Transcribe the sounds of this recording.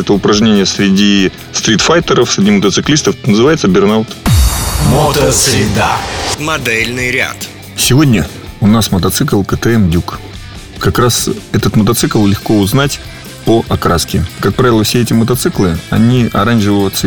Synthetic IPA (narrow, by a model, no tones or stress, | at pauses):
ɛt̪əʊpɾɐʐnʲenʲɪjəsʲɾʲɪdʲi | st̪ɾʲit̪fajt̪əɾəfsʲɾʲɪdʲimət̪ət̪sɨklʲist̪əfnəzɨvajɪt̪səbʲɪrnalt̪ | mot̪əsɾʲɪd̪a̰mɐd̪ɛlʲnɨjɾʲa̰t̪ | sʲɪvo̞dʲnʲə | ʊnasmət̪ɐt̪sɨklˠkət̪ɛɛmdʲuk | kɐkɾasɛt̪ət̪mət̪ɐt̪sɨklˠlʲɪxko̞ʊznatʲ | pəʔɐkɾaskʲɪkak̚pɾavʲɪlˠəfsʲeɛtʲɪmət̪ɐt̪sɨklˠɨɐ̰nʲiɐɾanʲʐɨvəjʊt̪sə